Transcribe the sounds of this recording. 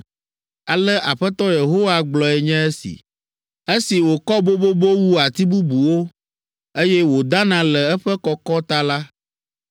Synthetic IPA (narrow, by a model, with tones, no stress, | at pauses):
a˨lɛ˦ʔa˨ɸɛ˦t̪ɔ˦je˨ɦo˦wa˦ɡ͡blɔ˨ɛ˨ɲɛ̃˦ɛ˦sḭ˨ | e˦si˨wo˨kɔ˦bo˦bo˦bo˦wu˦a˨t̪i˦bu˦bu˨wo˦ | e˦jɛ˦wo˨d̪a˦nã˨lɛ˨ɛ˦ɸɛ˦kɔ˦kɔ˦t̪a˦la˦